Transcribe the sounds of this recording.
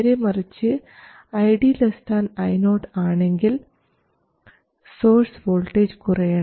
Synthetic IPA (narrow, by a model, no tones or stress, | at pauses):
ɾemɐrit͡ɕːɨ | ɐjɖilɐst̪ʰaːnɐjnoːʈaːɳe̞ŋɡil | so̞ːrsʋoːlʈːeːd͡ʑkurɐjɐɳɐ